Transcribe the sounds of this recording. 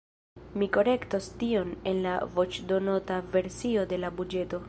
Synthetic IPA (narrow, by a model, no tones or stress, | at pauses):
miko̞ɾe̞ktostio̞ne̞nlavo̞t͡ʃdo̞notave̞ɾsio̞de̞labud͡ʒe̞to̞